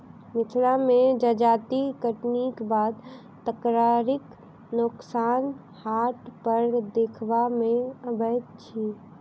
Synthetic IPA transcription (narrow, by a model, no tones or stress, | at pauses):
mɪt̪ʰlamed͡ʒəd͡ʒat̪ikəʈnikbad̪ | t̪ːəkɾaɾɪk | nʊksan | haʈpəɾd̪ekʰbamẽəbəjt̪t͡ʃʰi